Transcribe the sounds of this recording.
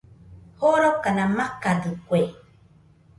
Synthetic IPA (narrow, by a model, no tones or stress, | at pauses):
hoɾokanamakad̪ɨkʷe